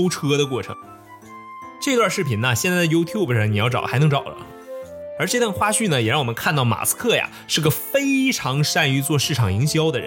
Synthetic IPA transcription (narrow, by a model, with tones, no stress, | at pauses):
ʊʈ͡ʂʰɤ˥d̪ə˨˧kwɔ˥˩ʈ͡ʂʰɤ̰˧˥ŋ | ʈ͡ʂɤ˥˧i˧t̪wa˥˧ʂɻ̩˥˩pʰi˧˥nɐ˧ɕjɛ˥˧nt͡sa˥˩ɪd̪jo˥ʊt̪ʰju˥˩ʊbəʂɑ˥˩ŋni˨˩jɑ˥˩ʊʈ͡ʂɑ̰˨˩ʊ˩xa˧˥ɪnɤ˧˥ŋʈ͡ʂɑ˨˩ʊlə̰˦ | ə˞˧˥ʈ͡ʂɤ˥˧t̪wa˥˧nxwa˥ɕy˥˩nə˩jɛ˨˩ɻɑ˥˩wɔ˨˩mə˦nkʰa˥˧nt̪ɑ˥˩ʊma̰˨˩sɹ̩̥˥kʰɤ˥˩ja̰˩ʂɻ̩˥˧˩ɡə˩fe˥ɪʈ͡ʂʰɑ˧˥ŋʂa˥˩ny˧˥t͡swɔ˥˧ʂɻ̩˥˩ʈ͡ʂʰɑ˨˩ŋi˧˥ŋɕjɑ˥ʊd̪ə˨ɻə̰˧˥